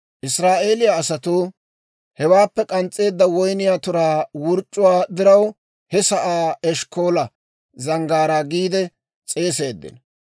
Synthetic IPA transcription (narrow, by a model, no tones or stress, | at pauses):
ʔɪsɾaːʔe̞ːlɪjaːsɐt̪oː | hɛwaːpːɛkʼɐnt͡sʼe̞ːd̪ːɐwɔjnɪjaːt̪ʊɾaːwʊɾt͡ʃʼːʊwaːd̪ɪɾɐw | hɛsɐʔaːɛʃko̞ːlɐ | zɐŋɡaːɾaːɡiːd̪ɛ | t͡sʼe̞ːse̞ːd̪ːɪ̰n